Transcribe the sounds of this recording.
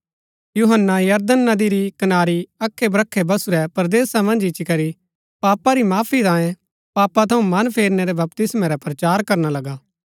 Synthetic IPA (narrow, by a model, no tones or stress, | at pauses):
juɦənːajɐɾd̪ənːɐd̪iɾikɐnaːɾiɐkʰːebɾɐkʰːebɐsuɾɛpɾd̪eːsamɐ̃nd͡ʒɪt͡ʃikɐɾi | paːpaɾimaːpʰit̪ãːjẽ | paːpat̪ʰɐũmɐnpʰeːɾnɛɾɛbɐpt̪ɪsmãɾɛpɾɐt͡ʃaːɾkɐɾnalɐɡaː